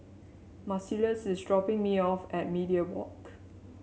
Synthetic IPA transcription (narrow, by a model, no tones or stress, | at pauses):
masiləsɪsdɹɔpɪ̃ŋmiɔfɛt̚midiəwɔ̰k